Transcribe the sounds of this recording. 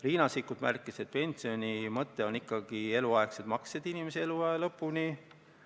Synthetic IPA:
riːnɑsikːˑud̪̥mærkːˑiset̪̚pe̞nʲsio̞nʲimɤt̪ːe̞o̞nikːɑɡ̥ie̞luɑekse̞t̪mɑksed̪̥inimeseeluɑelɤpːuni

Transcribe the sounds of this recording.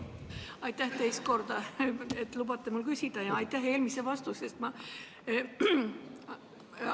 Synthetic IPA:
ɑjt̪ːˑæht̪ejst̪̚ko̞rd̪̥ɑet̪ːˑlub̥ɑt̪ːˑemulkysʲid̪̥ɑjɑɑjt̪ːæɦe̞ːlmisevɑst̪usest̪mɑ

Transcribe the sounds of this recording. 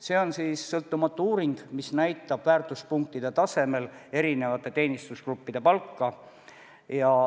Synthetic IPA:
se̞ːo̞nsiːsːɤlt̪ːˑumɑt̪ːˑuuːɾind̪̥misnæjt̪ːˑɑb̥væːrt̪ˑuspuŋk̚t̪id̪̥e̞t̪ɑse̞me̞le̞ɾine̞vɑt̪ːˑe̞t̪e̞ːnist̪uskrupːid̪̥e̞pɑlkˑːɑ | jɑ

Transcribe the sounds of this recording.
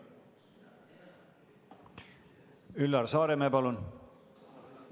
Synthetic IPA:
ylːɑrsɑːɾemeːpɑlun

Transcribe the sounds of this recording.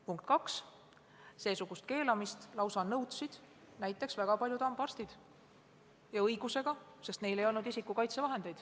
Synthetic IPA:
puŋk̚t̪kɑks | seːsuɡ̥ust̪̚ke̞ːlɑmist̪lɑwsɑnɤwt̪sid̪̥ | næjt̪ːˑe̞ksvæɡ̥ɑpɑljud̪ɑmb̥ɑrst̪id̪̥ | jɑɤjɡ̥use̞ɡ̥ɑse̞st̪ne̞jle̞jo̞lnud̪isikːukɑjt̪se̞vɑɦe̞nd̪̥e̞jd̪̥

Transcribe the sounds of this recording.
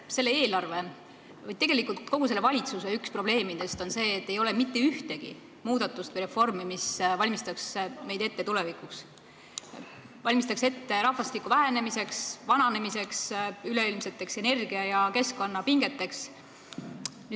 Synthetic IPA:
se̞lːeeːlɑrve̞ | vɤj̪̚t̪e̞ɡ̥e̞likult̪ko̞ɡ̥use̞lːeɑlʲit̪suseykspro̞b̥le̞ːmid̪e̞st̪o̞nse̞ːt̪ːe̞jo̞lemit̪ːe̞yht̪e̞ɡ̥ḭ | muːd̪̥ɑt̪ːˑust̪vɨjɾe̞fo̞rmimisvɑlʲmist̪ɑksme̞jd̪e̞t̪ːe̞t̪ulevikuks | vɑlʲmist̪ɑkse̞t̪ːe̞ɾɑhfɑst̪ikːˑuvæɦæne̞mise̞ksvɑnɑne̞mise̞ksyle̞ilmse̞t̪ːe̞kse̞ne̞rɡ̥iɑjɑke̞skːo̞nːɑpiŋɡe̞t̪ːe̞ks | ny

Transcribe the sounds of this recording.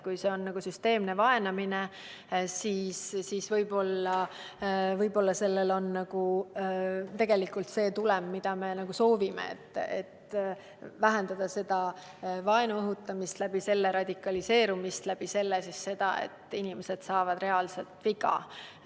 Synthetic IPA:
kujse̞o̞nnɑɡ̥usyst̪e̞ːmne̞vɑe̞nɑmine | siːssiːsvɤjbo̞lːɑ | vɤjbo̞lːɑse̞lːe̞lo̞nːɑɡ̥u | t̪e̞ɡe̞likːˑult̪se̞ːt̪ulemːid̪̥ɑme̞nɑɡ̥uso̞ːvimḛḛt̪ːˑḛt̪ | væɦe̞nd̪̥ɑd̪̥ɑse̞d̪̥ɑ | vɑe̞nuɤɦut̪ːˑɑmist̪læb̥ise̞lːeɾɑd̪̥ʲikːˑɑlise̞ːɾumist̪læb̥ise̞lːesisːe̞d̪̥ɑ̰e̞̰t̪ːˑinimese̞d̪̥sɑːvɑd̪re̞ɑlse̞lt̪ˑviɡɑ̰

